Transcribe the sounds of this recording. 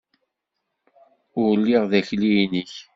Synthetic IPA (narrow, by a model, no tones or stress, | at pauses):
ʊɾlːiʁðæçlinəç